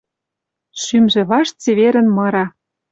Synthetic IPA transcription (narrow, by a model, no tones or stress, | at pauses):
ʃymʒĕβɑʃt͡seβeɾɘ̆nmɤ̆ɾɑ